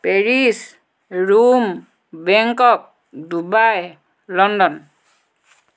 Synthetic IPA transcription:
peɹis | ɹum | bɛŋkɔk̚ | dubaj | lɔndɔn

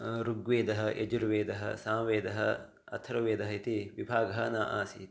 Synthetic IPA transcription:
ɾuɡʋeːd̪ɐɦɐʔed͡ʒuɾʋeːd̪ɐɦɐ̰saːmʋeːd̪ɐɦɐ̰ | ɐ̰t̪ʰɐɾɐʋeːd̪ɐɦɐit̪iʋibʱaːɡɐɦɐ̆naːʔaːsit̪i

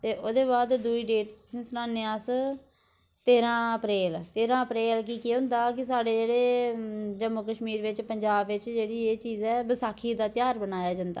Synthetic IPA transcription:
t̪eːʔoːd̪eːβaːd̪d̪uiːɖeːʈssʊnãːneːaːs | t̪eːɾãːəpɾeːlt̪eːɾãːəpɾeːlkiːkɪɦʊ̃nd̪aːkɪs̬aːɖeːd͡ʒeːɽeː | d͡ʒəmʊkəʃmiːɾʋɪt͡ʃpəɲd͡ʒaːbʋɪt͡ʃd͡ʒeːɽiːeːt͡ʃiːzɛːbəsaːkʰːiːd̪aːt̪ɪjaːɾbənaːjaːd͡ʒãːnd̪a̰ː

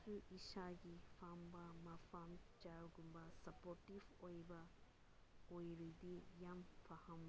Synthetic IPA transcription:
uʔiʃaɡifʰambamafʰamd͡ʒaɾɡumbasɐpɔɾtifojba | ojɾɯd̪ijamfʰahɐm

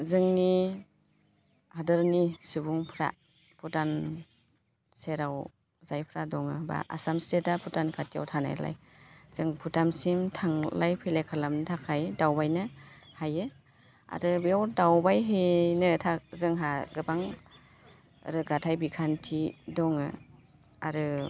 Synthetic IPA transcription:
zɯŋni | hadɯɾnisubuŋpʰɾa̰ | pʰutan | seɾaw | zajpʰɾadɔŋɯba̰ʔa̰samstetapʰutankʰatʰija̰wtʰana̰j̰la̰j | z̥ɯŋpʰutamsimtʰaŋlajpʰelekʰalamntʰakʰajdawbajnɯhajɯ | a̰ɾɯbjawdawbajɦenɯtʰazɯŋɦaɡɯbaŋ | ɾɯɡatʰajbikʰantʰidɔŋɯ̰ | a̰ɾɯ

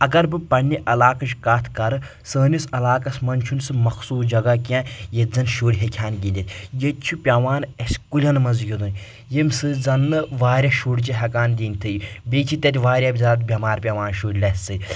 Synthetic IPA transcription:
ɐɡɐɾbɨpɐɳnʲːiʔɐlaːkɐʃkaːt̪ʰkɐɾɨ | səːnʲisɐlaːkɐsmɐnʲt͡ʃʰunsɨmɐxsuːsd͡ʒɐɡakiãːjezɐnʃuːɽʲɦekʰʲaːnɡʲinʲd̪ʲit̪ʰʲjet̪t͡ʃʰupʲɐʋaːnɐsʲkulʲɐnmɐzjʲud̪unʲ | jemsɨd͡zɐnːɨʋaːɾʲɐʃuːɽʲt͡ʃiɦɐkaːnd̪ʲiːnʲt̪ʰɨjibʲeːt͡ʃʰit̪ʲɐt̪ʲʋaːɾʲɐbʲzaːt̪̚bʲɐmaːɾpʲɐʋaːnʃuːɽʲlʲɐsʲt͡sɨ

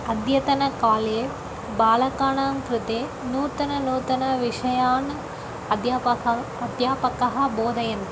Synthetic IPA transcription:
ɐd̪jɐt̪ɐnɐkaːleː | baːlɐkaːɳaːnkɾɪt̪eː | nuːt̪ɐnɐnuːt̪ɐnɐʋiʂɐjaːn | ɐd̪jaɐ | ɐd̪jaːpɐkɐɦɐ̆boːd̪ʱɐjɐnt̪

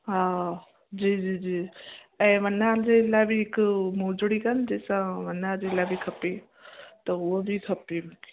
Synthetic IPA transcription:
ɦa | d͡ʑiːd͡ʑiːd͡ʑiːɛ̃ːʋənad͡ʑelabʱiɪkmoːd͡ʒɽikənd͡ʑeːsãʋɐnad͡ʑeːlabʱikʰɐpe | t̪ɐʊobʱikʰɐpe

